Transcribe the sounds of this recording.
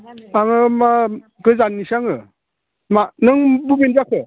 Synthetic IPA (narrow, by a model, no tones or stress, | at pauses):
aŋɯma | ɡɯzanːisaŋɯ | manɯŋbubenzakʰɯ